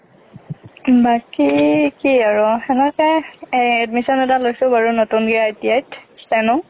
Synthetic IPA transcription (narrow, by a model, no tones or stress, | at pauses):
bakikiaɹɔɛnɛkɛɛdmisɔnɛtalojsʊbaɹunotunɡiaetijajtstanɔ